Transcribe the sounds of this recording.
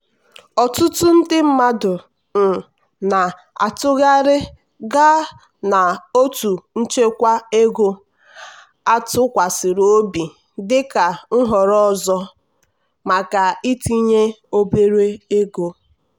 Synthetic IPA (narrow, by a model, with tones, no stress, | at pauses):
ɔ˨tʊ˦tʊ˦n̩˦dɪ˦m̩˦ma˦dʊ˨ | m̩˨ | na˨ | a̰˨tʊ˦ɣa˦ɾɪ˦ | ɡa˦ | na˨o˦tu˨n̩˦t͡ʃe˦kʷa˦e˦ɡo˦ | a˦tʊ˦kʷa˨sɪ˨ɾo˦bi˨ | dɪ˦ka˨ŋ̩˦ɦɔ˨ɾɔ˦zɔ˦ | ma˨ka˨i˦ti˦ɲe˦o˦be˦ɾe˦e˦ɡo˦